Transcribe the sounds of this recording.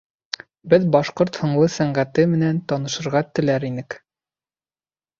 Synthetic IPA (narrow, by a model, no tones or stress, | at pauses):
bɘðbɑʃqoɾt̪hŏɴlˠɤsæɴɢæt̪ɘmɘ̆nænt̪ɑnɤ̆ʃɤ̆ɾʁɑt̪ɘ̆læɾinɘk